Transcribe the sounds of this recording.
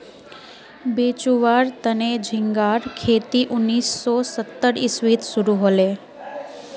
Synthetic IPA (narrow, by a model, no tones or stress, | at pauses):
beːt͡ʃuʋaːɾt̪əned͡ʒʱɪ̃ŋɡaːɾkʰeːt̪iʔʊnːiːsːɔːsət̪ːəɾɪswiːt̪sʊɾuɦoːleː